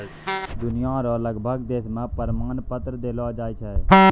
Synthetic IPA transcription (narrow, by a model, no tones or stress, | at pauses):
d̪ʊnɪjãːɾõːləɡbʱəɡd̪eːsmãːpəɾmaːnpət̪ɾd̪eːlɔːd͡ʒaːit͡ʃʰəɛː